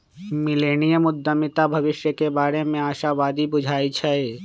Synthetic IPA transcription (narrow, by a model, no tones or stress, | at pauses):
mɪleːnijəmʊd̪ʱːəmɪt̪abʱɐʋɪʃjəkebaːɾemẽaːʃaʋaːd̪ibʊd͡ʒʱaːit͡ʃʰɐe